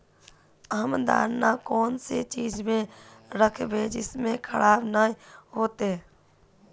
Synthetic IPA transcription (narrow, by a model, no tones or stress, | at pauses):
əmd̪a̰ːɾnakɔːnset͡ʃiːd͡ʒmẽɾəkʰbed͡ʒɪsmẽkʰəɽaːbnaːiɦoːt̪e